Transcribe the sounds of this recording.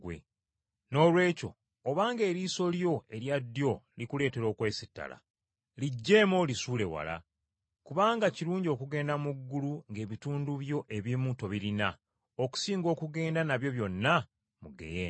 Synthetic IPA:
wḛ | no̞ːlwe̞ːco̞ː | βaːŋɡe̞ːɾiːso̞ljo̞e̞ɾjadːjo̞likule̞ːte̞ɾo̞ːkwe̞ːsi̥tːa̰la̰ | liɟːe̞ːmo̞lisuːle̞wa̰la̰ | kuβaːŋɡaciɾuːɲɟo̞ːkuɡe̞ːndamuɡːuluŋɡe̞ːβituːnduβjo̞ʔe̞βimuto̞βiɾina | oku̥siːŋɡo̞ːkuɡe̞ːndanaβjo̞βjo̞nːa | muɡḛjeː

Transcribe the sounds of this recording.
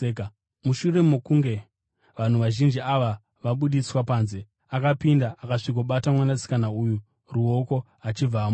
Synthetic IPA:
k | muʃure̞mokuŋɡe̞ | ʋan̤uʋaʒind͡ʒiaʋa | ʋaɓuɗiswapaːnze̞ | akapindaʔakaʂikoɓatamwanasi̥kanauːju | ruo̞ko̞ | at͡ʃib͡vam

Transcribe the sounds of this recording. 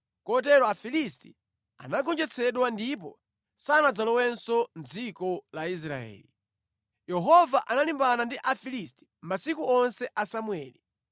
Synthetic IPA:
kɔt̬ɛɾɔafilisti | a̰naɡɔnd͡ʒɛt͡sʰɛɗwandip̬ɔ̰ | sanad͡zalɔwɛnsɔnd͡zikɔlais̬ɾa̰ɛ̰ːli | jɛɦɔvaʔanalimbanandiʔafilisti̥masikuɔnsɛʔasamwɛːli

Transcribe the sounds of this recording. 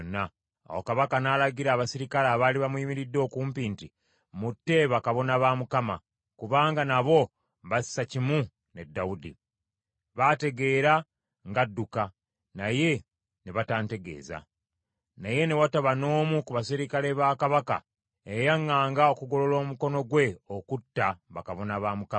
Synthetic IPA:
nːa | a̰wokaβakanaːlaɡiɾaːβasiɾikalaːβaːliβamwiːmiɾidːo̞ːkuːmpiːnti | mutːe̞βakaβo̞naβaːmukama̰ | kuβaːŋɡanaβo̞ | βasi̥ːacimu | ne̞dːawudḭ | βate̞ɡe̞ːɾa | ŋɡadːuka | naje̞ | neβataːnte̞ɡe̞̰ːza̰ | naje̞ne̞wataβano̞ːmukuβasiɾikale̞βaːkaβaka̰ | ejaŋːaːŋɡao̞kuɡo̞lo̞lo̞ːmuko̞no̞ɡwe̞okutːaβakaβo̞naβaːmuka

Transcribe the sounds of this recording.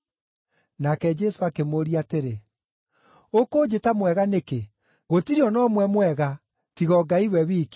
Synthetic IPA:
nakɛd͡ʒɛsoakemoɾiateɾe | okoːd͡ʑetamwɛɣaneke | ɣotiɾiɔnɔmwɛmwɛɣa | tiɣɔɡaiwɛβiːk

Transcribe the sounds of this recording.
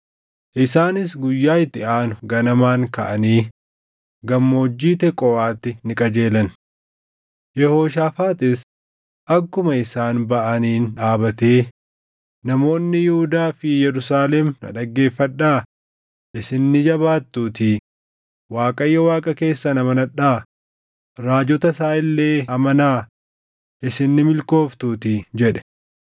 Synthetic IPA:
ʔɪsaːnɪsɡʊjːaːɪt̪ːɪaːnʊɡɐnɐmaːŋkɐʔɐniː | ɡɐmːo̞ːd͡ʒːiːt̪ɛkʼːɔwaːt̪ːɪnɪkʼɐd͡ʒe̞ːlɐn | jɛho̞ːʃaːfaːt̪ɪs | ʔɐkːʊmɐɪsaːnbɐʔɐniːnᶑaːbɐt̪eː | nɐmo̞ːnːɪjɪhʊd̪aːfɪjɛɾʊsaːlɛmnɐ̰ᶑɐɡːe̞ːfːɐᶑaː | ʔɪsɪnːɪd͡ʒɐβaːt̪ːuːt̪ɪ | waːkʼɐjːɐwaːkʼɐke̞ːsːɐnɐmɐnɐᶑaː | ɾaːd͡ʒɔt̪ɐsaːʔɪlːe̞ːɐmɐnaː | ʔɪsɪnːɪmɪlko̞ːft̪uːt̪ɪd͡ʒɛᶑɛ̥

